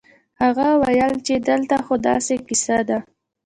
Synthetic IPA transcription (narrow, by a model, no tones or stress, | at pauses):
haɣawajəlt͡ʃed̪əlt̪axod̪ɑ̰sekisad̪a